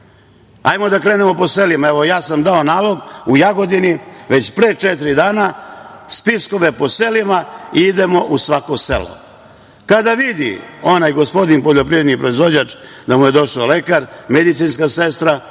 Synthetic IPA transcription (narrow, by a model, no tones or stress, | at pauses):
a̰jmo̞d̪akɾe̞ːne̞mo̞po̞selimaeʋo̞jaːsamd̪aonaːlˠo̞ɡujaɡo̞d̪iniʋet͡ɕpɾeːt͡ʃet̪ɾid̪aːnaspisko̞ʋe̞po̞selimaid̪e̞mo̞ʔusʋakosḛlo̰ | kad̪aʋid̪ḭo̞najɡo̞spo̞d̪inpoʎo̞pɾiʋɾed̪nipɾoizʋo̞d͡ʑat͡ʃd̪amuje̞d̪o̞ʃale̞kaɾmed̪it̪sinskasest̪ɾa